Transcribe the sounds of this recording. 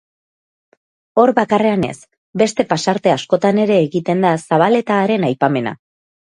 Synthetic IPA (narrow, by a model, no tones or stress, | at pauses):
o̞ɾbakare̞ane̞̰s | be̞st̪e̞pasaɾt̪e̞asko̞t̪ane̞ɾe̞ːɣit̪e̞nd̪asaβ̞ale̞t̪aːɾe̞najpame̞na̰